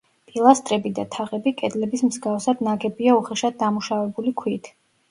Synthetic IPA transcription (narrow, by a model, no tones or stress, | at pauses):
pʼilˠast̪ʼɾɛbid̪at̪ʰaʁɛbikʼɛd̪lɛbismzɡafsad̪naɡɛbiauχɛʃad̪̚ːamuʃavɛbulikʰwit̪ʰ